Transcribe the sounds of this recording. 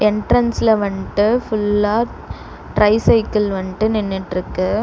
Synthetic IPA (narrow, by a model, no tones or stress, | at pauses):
ɛɳʈɾɐnsɪlɐʋɐɳʈɯfʊɭlːaː | ʈɾɐɪsɐɪkːɪlʋɐɳʈːɯnɪnːɪʈːɾɯkːɯ